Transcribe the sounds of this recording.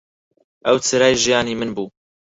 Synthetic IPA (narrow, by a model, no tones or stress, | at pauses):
ʔɛwt͡sʰɨɾɑːjʒijɑːniːmɨnbuː